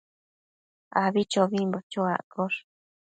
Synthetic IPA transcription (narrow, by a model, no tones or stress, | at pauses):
aβit͡ʃoβimbot͡ʃoa̰ʔkoʂ